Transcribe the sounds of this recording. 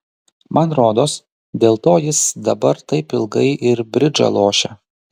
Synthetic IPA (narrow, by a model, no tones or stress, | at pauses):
mʔɐnɾoːd̪oːs | d̪ʲeːlˠt̪oːjɪsd̪ɐbɐɾt̪ɐɪpɪlˠɡɐɪʔɪɾbʲɾʲɪd͡ʒɐ̰lˠoːʃʲɛ